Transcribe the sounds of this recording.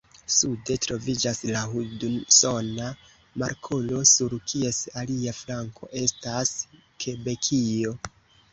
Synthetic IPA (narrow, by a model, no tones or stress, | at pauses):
sude̞tɾo̞vid͡ʒaslaɦuduso̞na | maɾkʰolo̞suɾkʰie̞saliaflaŋko̞̰ʔe̞stas | kʰe̞be̞kʰio̞